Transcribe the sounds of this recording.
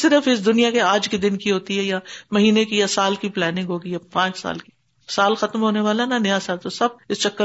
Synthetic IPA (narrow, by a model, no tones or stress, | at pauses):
sɪɾəfɪs̬d̪ʊnijakeaːd͡ʒkid̪ɪnkiɦoːt̪iɦɛjamɐɦiːnekijasaːlkiplɛːnɪ̃ŋɡɦoːɡijapãːt͡ʃsa̰ːlki̥ | saːlxɐt̪mɦoːneʋaːlaɦnanɐjasaːlt̪osɐb̚ɪst͡ʃɐkːə